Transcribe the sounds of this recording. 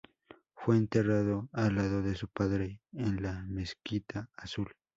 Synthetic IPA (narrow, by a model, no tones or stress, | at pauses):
fweːnt̪eraðoalaðoðesupaðɾeːnlameskit̪ʰaːsul